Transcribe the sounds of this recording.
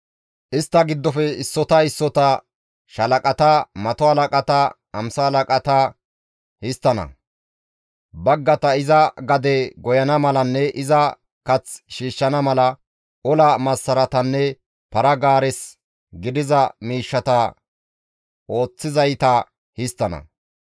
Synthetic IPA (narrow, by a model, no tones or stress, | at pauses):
ʔɪst̪ːɐɡɪd̪ːɔfɛɪsːɔt̪ɐɪsːɔt̪ɐ | ʃɐlɐkʼɐt̪ɐmɐt̪ɔhɐlɐkʼɐt̪ɐ | ɐmsɐhːlɐkʼɐt̪ɐ | hɪst̪ːɐnɐ̰ | bɐɡːɐt̪ɐɪzɐɡɐd̪ɛɡɔjɐnɐmɐlɐnːɛʔɪzɐ | kɐt͡sʃiːʃːɐnɐmɐlɐ | ɔlɐmɐsːɐɾɐt̪ɐnːɛ | pɐɾɐɡaːɾɛs | ɡɪd̪ɪzɐmiːʃːɐt̪ɐ | o̞ːt͡sːɪzɐjt̪ɐ | hɪst̪ːɐnɐ̰